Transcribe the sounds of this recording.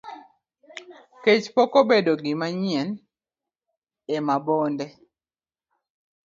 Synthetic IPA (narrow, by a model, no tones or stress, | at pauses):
ket͡ʃpokobedoɡɪmaɲɪɛn | emabondɛ